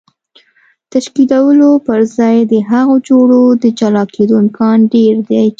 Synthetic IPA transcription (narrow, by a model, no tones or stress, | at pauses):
t̪aʃkid̪awəlopəɾzɑjd̪əɦaɣod͡ʒoɽod̪əd͡ʒalɑkʰed̪oɪmkʰɑnɖeɾd̪e